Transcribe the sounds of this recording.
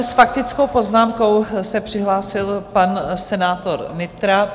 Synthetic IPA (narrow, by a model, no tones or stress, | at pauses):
sfakt̪ɪt͡skowpo̞znaːmko̞wsɛpr̝̥ɪɦlaːsɪlpansɛnaːt̪oɾnɪt̪ɾa